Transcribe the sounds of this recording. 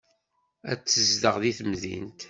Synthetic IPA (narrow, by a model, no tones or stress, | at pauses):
æ̰t͡sːəzd̪əʁðiθmðḭnt̪